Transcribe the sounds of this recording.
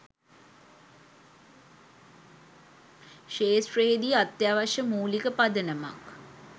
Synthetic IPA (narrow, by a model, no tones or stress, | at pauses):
ʃeːsɾeːd̪iat̪jaːʋaʂəmuːlikəpad̪ənəma̰k